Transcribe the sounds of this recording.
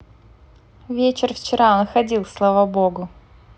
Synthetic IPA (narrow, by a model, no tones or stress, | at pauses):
vʲet͡ɕɪrft͡ɕɪɾaonxɐdʲilˠslˠavaboɡʊ